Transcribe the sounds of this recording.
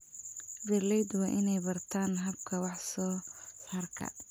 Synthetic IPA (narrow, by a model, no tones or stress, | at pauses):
vɛrlɛjd̪wɑːʔɪnɛjbɐrt̪ʰaːnɦɐbkʰɐwɑħsɔːsaːrkʰɐ̰